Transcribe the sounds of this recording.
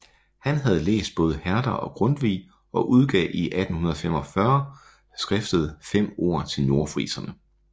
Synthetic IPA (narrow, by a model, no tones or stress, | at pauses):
hænɦæð̞̩ˠlḛːsd̥̚b̥ɔ̽ːð̞ˠəhæɐd̥ɐɒ̽ɡ̥ʁɔ̽nd̥ʋḭː | ɒ̽ʔuð̞ˠɡ̥ɛ̰ːʔiʔæd̥n̩hunɐðˠfem̰ɒ̽fɶɐ | sɡ̥ʁɛfd̥əð̞̩ˠfem̰o̝ɐ̰t͡sʰe̝lno̝ɐfʁḭːsɐnə